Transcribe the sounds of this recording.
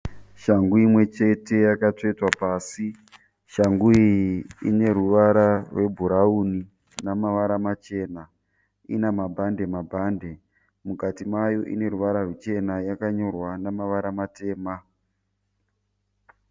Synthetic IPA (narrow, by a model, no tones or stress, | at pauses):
ʃaŋɡuimwe̞t͡ʃe̞te̞jakatoitwapaːsi | ʃaŋɡuiḭne̞ɾuʋaɾarwʔe̞bʱuɾauni | namaʋaɾamat͡ʃe̞na | ḭnamabʱande̞mabʱande̞ | mukatimajo̞ʔḭne̞ɾuʋaɾarwit͡ʃe̞najakaɲo̞rwanamaʋaɾamate̞ːma